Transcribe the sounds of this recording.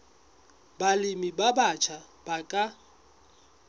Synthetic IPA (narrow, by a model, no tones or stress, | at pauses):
balɪmibabat͡ʃʰa | b̥akʼa